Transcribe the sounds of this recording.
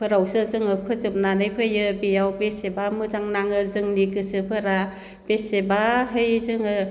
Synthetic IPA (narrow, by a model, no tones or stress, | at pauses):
pʰɯɾawsɯzɯŋɯpʰɯzɯp̚nanɯjpʰɯjɯbijawbesebamɯzaŋnaŋɯzɯŋnikɯsɯpʰɯɾa | b̥esebaɦɯjzɯŋɯ